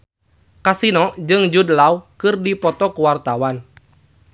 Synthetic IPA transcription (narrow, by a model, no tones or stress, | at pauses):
kasinɔd͡ʒɨŋd͡ʒudlaukɨrdipɔt̪ɔkuwart̪awan